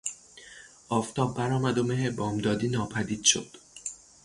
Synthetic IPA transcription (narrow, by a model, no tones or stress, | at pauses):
ʔɒːft̪ʰɒːbːæɾɒːmæd̪omeɦebɒːmd̪ɒːd̪iːnɒːpʰæd̪iːd̪̥ʃo̰d̪̥